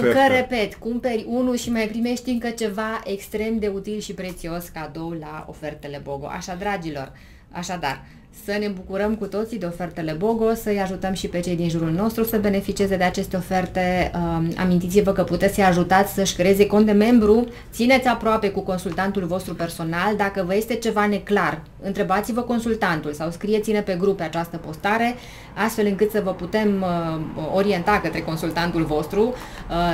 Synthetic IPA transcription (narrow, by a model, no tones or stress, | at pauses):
kəɾe̞pe̞t̪kumpe̞ɾʲunuʃimajpɾime̞ʃt̪iɨŋkət͡ʃe̞vaʔe̞kst̪ɾe̞md̪e̞ut̪ilʃipɾe̞t̪sio̞skad̪o̞wlao̞̰fe̞rt̪e̞le̞bo̞ɡo̞̰ʔa̰ʃad̪ɾad͡ʒilo̞̰r | a̰ʃad̪a̰r | sənebukuɾəmkut̪o̞t̪sid̪e̞o̞fe̞rt̪e̞le̞bo̞ɡo̞səjaʒut̪əmʃipe̞t͡ʃe̞jd̪inʒuɾulno̞st̪ɾusəbe̞ne̞fit͡ʃieze̞d̪e̞at͡ʃe̞st̪eo̞fe̞rt̪e̞əa̰mint̪it̪sʲivəkəput̪e̞t̪sejaʒut̪at̪sʲsəʃʲkɾeezeko̞nd̪e̞me̞mbɾu | t̪sinet̪sʲapɾoape̞kuko̞nsult̪ant̪ulvo̞st̪ɾupe̞rso̞nald̪akəvəje̞st̪e̞t͡ʃe̞vane̞klar | ɨnt̪ɾe̞bat̪sivəko̞nsult̪ant̪ulsawskɾije̞t̪sinepe̞ɡɾupeat͡ʃast̪əpo̞st̪aɾe̞ | ast̪fe̞lɨŋkɨt̪səvəput̪e̞məo̞ɾie̞nt̪akət̪ɾe̞ko̞nsult̪ant̪ulvo̞st̪ɾu